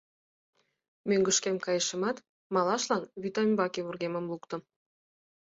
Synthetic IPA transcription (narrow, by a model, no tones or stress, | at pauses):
møŋɡə̆ʃkemkɑjə̆ʃəmɑt̪ | mɑlɑʃlɑnβyt̪ɑmʲbɑkeβurɣemə̆mlukt̪ə̆